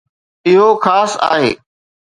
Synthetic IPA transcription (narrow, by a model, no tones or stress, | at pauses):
ɪɦoxaːsa̰ːɦḛː